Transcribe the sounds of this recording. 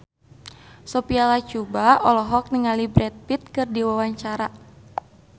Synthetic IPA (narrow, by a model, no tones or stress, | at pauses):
sɔpialat͡ʃubaɔlɔɦɔk̚niŋalibɾɛt̪̚pit̪̚kɨrdiwawaɲt͡ʃaɾa